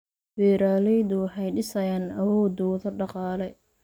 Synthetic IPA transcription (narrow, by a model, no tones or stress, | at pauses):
bɛːɾaːlɛjd̪ʊħɛjɖɪsɐjaːnɐwɔːd̪ʊðɐɖɑqɑːlɛj